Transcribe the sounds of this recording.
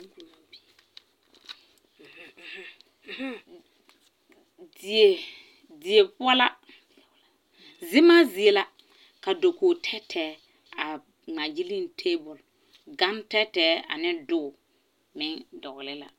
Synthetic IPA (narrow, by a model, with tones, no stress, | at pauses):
de˨ | dɪ˨e˨pʊ˦a˦la˦ | zɪ˦ma˦zi˨e˨la˦ | ka˨do˨koː˨tʰɛ˦tʰɛː˨˦ | a˨ | ŋ͡ma˨d͡ʒi˦li˦ntʰeː˦bʊ˨l | ɡa˦ntɛ˦tɛː˦a̰˨nɪ˦dʊː˦˨ | mɪ˦ŋdɔ˨ɣlɪ˦la̰˨